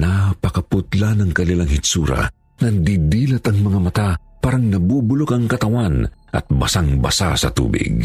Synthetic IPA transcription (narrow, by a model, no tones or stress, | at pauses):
napɐkɐpʊt̪lanɐŋkɐlɪlaŋhɪsuːɾɐ̰ | nɐnd̪id̪iːlɐt̪ɐŋmɐŋamɐt̪apaːɾɐŋnɐbuːbʊlokɐŋkɐt̪ɐwanʔɐ̰t̪̚bɐsaŋbɐsa̰sɐ̰t̪ṵːbɪ̰ɡ̚